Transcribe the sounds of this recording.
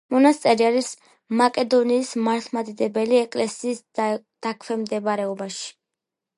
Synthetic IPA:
mɔnast̪sʼɛɾiaɾis | makʼɛd̪ɔniːsmaɾt̪ʰmad̪id̪ɛbɛliɛkʼlɛsiːs | d̪̥akʰwɛmd̪ɛbɾɛɔbaʃi̥

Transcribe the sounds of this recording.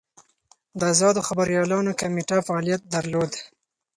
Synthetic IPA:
d̪əazɑd̪oxabaɾjɑlɑnokameʈafaɑlijat̪̚d̪aɾlod̪

